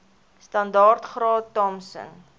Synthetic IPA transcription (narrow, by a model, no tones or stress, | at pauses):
stɐndɑːrtχrɑːtːɔmsə̰n